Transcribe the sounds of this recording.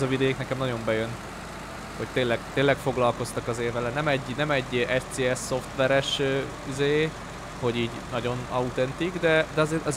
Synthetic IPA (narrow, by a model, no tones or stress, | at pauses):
zɒvid̪ɛiknɛkɛmnɒɟo̞mbɛjøn | ho̞ct̪eːnlːɛɡ̥t̪eːlɛkfo̞ɡlɒlko̞st̪ɒkɒzeːvɛlɛnɛmɛɟːnɛmɛɟːʔɛʃseːɛsːo̞ft̪ʋɛɾɛʃ | izeː | ho̞ɟiːɟnɒɟo̞nɒut̪ɛnt̪iɡd̪ɛd̪ɛɒzeːʔɒz